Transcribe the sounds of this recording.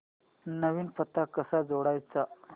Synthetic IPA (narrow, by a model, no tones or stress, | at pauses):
nəʋiːnpət̪ːakəsad͡zoɽajt͡sa